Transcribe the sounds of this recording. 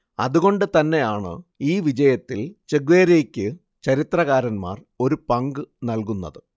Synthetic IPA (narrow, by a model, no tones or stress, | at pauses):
ɐ̰ðuɣo̞ɳɖɨt̪ɐnːe̞jaːɳɨ̰iːʋid͡ʑɐjɐt̪ːilt͡ɕeɡʋeːɾeːkʲːɨ | t͡ɕɐɾit̪rɐɣaːɾɐnma̰ːr | o̞ɾupɐŋɡɨnɐlkunːɐ̰ðɨ